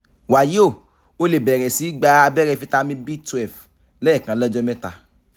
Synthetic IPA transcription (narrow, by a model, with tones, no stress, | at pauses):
wa˨jo˦˨ | o˧˦le˨bɛ˨ɾɛ˨si˨˦ɡ͡ba˧a˧bɛ˦ɾɛ˦˨fi˦ta˧mĩ˧˦bi˦tɛ˨f | lɛ˦ɛ˦˨kã˧˦lɔ˦d͡ʒɔ˦mɛ̃˦ta̰˧